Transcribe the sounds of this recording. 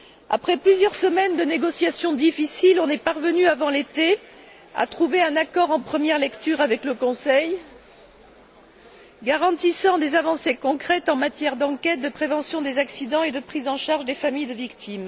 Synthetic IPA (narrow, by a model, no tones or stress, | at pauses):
a̰pχɛplyzjœʁsəmɛnd̪əneɡɔsjasjɔ̃d̪ifisilɔ̃nɛpaʁvənyavɑ̃let̪e | a̰t̪χuveɛ̃nakɔʁɑ̃pχəmjɛʁlɛkt̪yʁavɛkləkɔ̃sɛj | ɡaʁɑ̃t̪isɑ̃d̪ezavɑ̃sekɔ̃kχɛt̪ɑ̃mat̪jɛʁd̪ɑ̃kʲɛt̪̚d̪əpχevɑ̃sjɔ̃d̪ezaksid̪ɑ̃ed̪əpχizɑ̃ʃaʁʒd̪efamijd̪əvikt̪im